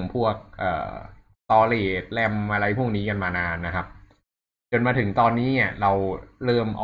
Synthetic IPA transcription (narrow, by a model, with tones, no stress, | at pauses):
ŋpʰu˥˩ək̚ʔɤ̰ː˨˩ | t̪ɔː˧leː˨˩t̪̚lɛ˧mʔa˧ɾa˧jpʰu˥˩ŋniː˦˥ka˧nmaː˧naː˧nːa˦˥kʰa˦˥p̚ | t͡ɕo˧nmaː˧t̪ʰɯ˩˦ŋt̪ɔː˧nːiː˦˥ni˥˩ɐɾa˧wɾɤː˥˩mʔa̰˧